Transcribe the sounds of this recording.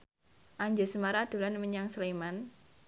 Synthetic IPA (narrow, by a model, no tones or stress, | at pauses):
ʔaɲd͡ʒəsəmaɾad̥o̤lanməɲaŋsəleman